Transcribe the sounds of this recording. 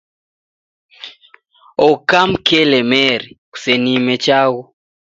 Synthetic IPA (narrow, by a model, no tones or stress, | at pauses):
ɔkamkɛlɛmɛɾiku̥senimɛt͡ʃaɣɔ